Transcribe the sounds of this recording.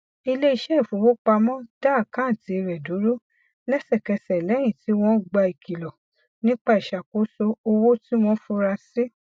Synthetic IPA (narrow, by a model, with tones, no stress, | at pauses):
i˧le˦i˧ʃɛ˦˨fu˨˦wo˦k͡pa˧mɔ̃˦d̥a˦˨kã˦˨ti˧˦˧ɾɛ˨du˨˦ɾo˦ | lɛ˦sɛ˦˨kɛ˧sɛ˨lɛ˨˦j̃ĩ˦˨ti˨˦w̃ɔ̃˦˨ɡ͡ba˧i˨kʰi˨lɔ˨ | nĩ˦k͡pa˦i˨ʃa˨ko˨˦so˦o˧wo˦ti˦w̃ɔ̃˦fu˦ɾa˧si˦